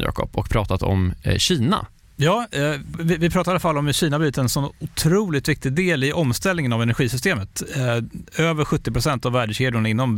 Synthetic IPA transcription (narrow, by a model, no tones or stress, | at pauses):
jɑ̰ːkʰɔ̰pɔ̰kpʰɾɑːt̪at̪ɔ̰mɕiːna̰ | jɑːvɪvɪpʰɾɑːt̪aɾalafalːɔmɕiːnabyːt̪əɛnsɔnʊt̪ʰɾuːlɪt̪vɪk̚t̪ɪd̪eːlɪʔɔmst̪ɛlnɪŋənavɛnæɾɧiːsʏs̬t̪eːmət̪ | øːvəɾɧɵt̪ːɪpɾʊsɛnt̪avːæːɖɕeːd̪jʊɳaɪnːɔm